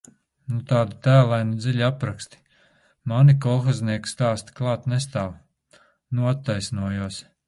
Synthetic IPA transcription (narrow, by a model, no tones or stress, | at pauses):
nut̪aːd̪at̪æːlˠajnud̪ziʎʲapɾakst̪i̥ | manikɔlˠxazniɛkst̪aːst̪i̥klˠɑːt̪nest̪aːw | nuat̪ːajsnuɔjuɔs